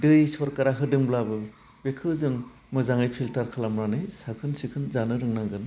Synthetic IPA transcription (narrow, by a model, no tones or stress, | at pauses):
dɯjsɔɾkaɾaɦɯdɯŋblabɯ | bekʰɯzɯŋ | mɯzaŋɯjpʰiltaɾkʰalamɾanɯjsakʰɯnsikʰɯnzanɯɾɯŋnaŋɡɯn